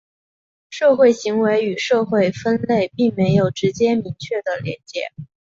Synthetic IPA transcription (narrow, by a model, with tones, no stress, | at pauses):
ʂɤ˥˧xwe˥˩ɪɕi˧˥ŋwe˧˥ɪy˨˩ʂɤ˥˧xwe˥˩˧ɪfə˥nle˥˩ɪpi˥˩ŋme˧˥ɪjo˨˩ʊʈ͡ʂɻ̩˧˥t͡ɕjɛ˥mi˧˥ŋt͡ɕʰɥɛ˥˩d̪ə˩ljɛ̰˧˥nt͡ɕjɛ̰˧˥